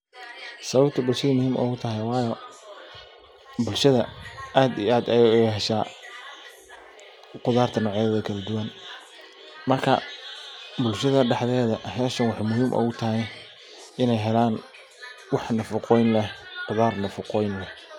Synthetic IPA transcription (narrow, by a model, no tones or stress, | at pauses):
sɐβɐbt̪ʰɐbʊlʃɐðɐmʊhiːmʔɔ̰ɣʊt̪ʰɐɦɛjwɑːjɔ | bʊlʃɐðɐaːd̪ḭaːd̪ɛjɛjɦɛʃaː | qʊðaːrt̪ʰɐnɔːʕɐðɐkʰɐlɐd̪ʊwɐn | mɐrkʰɐ̰ | bʊlʃɐðɐɖɛħðɛːðɐɦɛːʃɐnwɑħɑjmʊɦiːmʔɔ̰ːɣʊt̪ʰɐɦɛj | ʔɪnɛjɦɛlaːn | wɑħnɐfɐqɔjnlɛqʊðaːrnɐfʊqɔjnlɛ